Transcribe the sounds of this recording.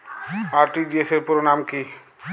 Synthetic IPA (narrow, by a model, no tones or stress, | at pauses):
aːɾʈid͡ʒieseɾpuɾonaːmki